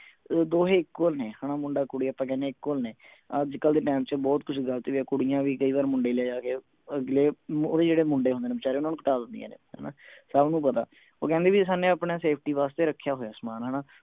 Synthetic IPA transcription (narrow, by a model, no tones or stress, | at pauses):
d̪oːɦeːɪkːoːlneːhaːnaːmʊɳɖaːkʊɽiːaːpãːkɛ̃ːnẽːɪkːoːlneː | əd͡ʒkəld̪eːʈɛːmt͡ʃəbɔːt̪̚kʊt͡ʃʰɡəlt̪eːʋiaːkʊɽijãːʋiːkəiːʋaːɾmʊɳɖeːleaːd͡ʒaːkeː | əɡleːoːd̪eːd͡ʒeːɽeːmʊɳɖeːɦõnd̪eːneːbət͡ʃaːɾeːʊnaːnũːkəʈaːd̪ənd̪ḭja̰ːnḛːɦɛ̰ːnaːsəbnũːpət̪a̰ː | o̰ːkɛ̃ːnd̪eːʋiːsaːnẽːaːpɳaːseːp̚ʰʈiːʋaːst̪eːɾəkʰːjaːɦoːjaːsmaːnɦəːnaː